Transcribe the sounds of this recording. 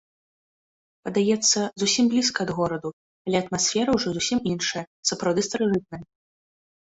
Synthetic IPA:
pɐd̪ajɛt̪sːɐzusʲimblʲiskɐːd̪ɣɔɾɐd̪u | alʲɛɐt̪masʲfʲɛɾɐwʐɔzusʲiminʂɐjɐ | sɐpɾawd̪ɨst̪ɐɾɨʐɨt̪̚nɐjɐ

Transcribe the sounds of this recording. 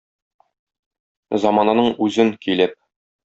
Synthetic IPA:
zɑmɑnɑnɤɴʉzɘŋkilɘp̚

